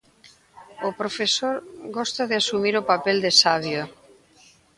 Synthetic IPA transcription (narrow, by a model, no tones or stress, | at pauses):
opɾofesoɾɣɔst̪aðeasumiɾopapɛld̪esaβjo